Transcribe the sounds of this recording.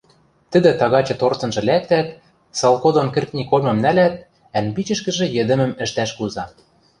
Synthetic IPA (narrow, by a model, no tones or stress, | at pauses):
t̪ə̆d̪ɘ̆t̪ɑɣɑt͡ɕɤ̆t̪ort̪ɤ̆nʒɤ̆læk̚t̪æt̪̚ | sɑlˠkod̪onkɘ̆rt̪nʲikolmʲɤ̆mnælæt̪̚ | ænpit͡ɕɘ̆ʃkɘ̆ʒɘ̆jɘ̆d̪ɘ̆mə̆mɘ̆ʃt̪æʃkuzɑ